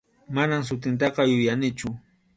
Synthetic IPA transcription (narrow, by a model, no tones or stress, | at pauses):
manams̬ʊt̪̬ɪnt̪̬ɑqɑjʊjanɪt͡ʃʊ